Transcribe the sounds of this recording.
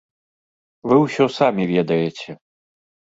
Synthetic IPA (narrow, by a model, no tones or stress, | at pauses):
vɨwsʲɔsamʲivʲɛd̪ɐjɛt͡sʲɛ